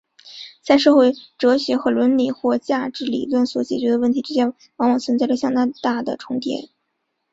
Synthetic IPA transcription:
t͡sa˥˧ɪʂɤ˥˧xwe˥˩ɪʈ͡ʂɤ˧˥ɕɥɛ˧˥xɤ˧˥lwə˧˥nli˨˩xwɔ˥˧t͡ɕja˥˧ʈ͡ʂɻ̩˥˩lḭ˨˩lwə˥˩nswɔ˧˥t͡ɕjɛ˨˩t͡ɕɥɛ˧˥ə˧˦wə˥˩nt̪ʰi˧˥ʈ͡ʂɻ̩˥˧ɕjɛ˥n | wɑ˧˥ŋwɑ˨˩ŋt͡sʰwə˧˥nt͡sa˥˩ɪʈ͡ʂə˩ɕjɑ˥˧ŋt̪ɑ˥˧t̪a˥˩d̪ə̰˩ʈ͡ʂʰʊ˧˥ŋt̪jɛ̰˧˥n

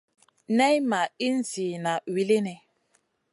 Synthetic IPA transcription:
nɛ˦jma˨i˦n̩˦˨si˨na˨wi˨li˦nɛ˨

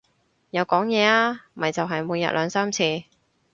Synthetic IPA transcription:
jɐ˨˧wkɔː˨˥ŋjɛː˨˧aː˧˥mɐ˨˩jt͡sɐ˨wɦɐ˨jmuː˨˧jɐ̰˨t̚lʔœː˨˧ŋsaː˥mt͡sʰiː˧

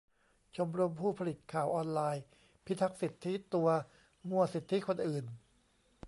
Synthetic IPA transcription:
t͡ɕʰo˧mɾo˧mpʰuː˥˩pʰa˧li˨˩t̪̚kʰaː˨˩wʔɔː˧nlaː˧j | pʰi˦˥t̪ʰa˦˥k̚si˨˩t̪ʰːi˦˥t̪u˧ɐ | mu˧˩ɐsi˨˩t̪ʰːi˦˥kʰo˧nʔɯː˨˩n

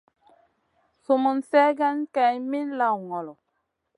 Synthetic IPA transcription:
su˨mu˨nsɛ˦ɡa˦nka˨jmi˦nla˨wŋɔ˨lɔ˨

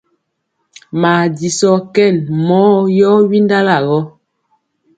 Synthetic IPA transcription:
ma˨di˨sɔ˦kɛ˦˨nmɔː˦jɔ˦wi˦nda˦la˨ɣɔ˦

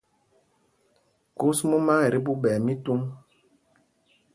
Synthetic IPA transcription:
ku˦smɔ˦ma˦˨ɾi˦bu˦ɓɛ˨mi˦tu˦m

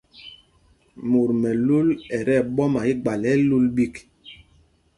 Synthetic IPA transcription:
mu˨ɾmɛ˨lu˦lɛ˨ɾɛ˦˨ɓɔ˦ma˨i˦ɡ͡ba˨lɛ˨˦lu˦lɓi˦k

